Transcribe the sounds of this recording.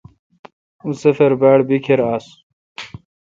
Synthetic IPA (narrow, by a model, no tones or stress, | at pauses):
usefeɾbaːɽbikʰeɾaːs